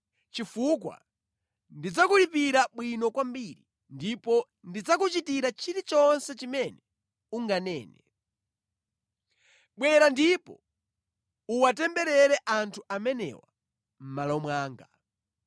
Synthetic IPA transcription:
t͡ʃifukwa̰ | ndid͡zakulipiɾaɓwinɔkwambiɾi | ndipɔ | ndid͡zakut͡ʃitiɾat͡ʃʰiɾit͡ʃɔnsɛt͡ʃimɛnɛ | uŋɡanɛːnɛ | ɓwɛɾandipɔ | uwatɛmbɛɾɛɾɛʔantʰuʔamɛnɛ̰wa | m̩malɔmwaːŋɡa

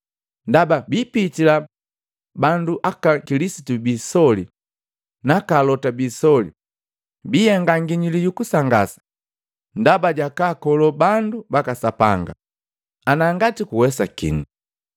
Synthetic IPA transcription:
ndababiːpitila | banduʔakakilisitubisɔli | nakalɔtabisɔlḭ | biɛŋɡaŋɡiɲilijukusaŋɡa̰sḁ | ndabaɟakaːkɔlɔbandubakasapa̰ŋɡa̰ | anaŋɡatikuwɛsakḭnu

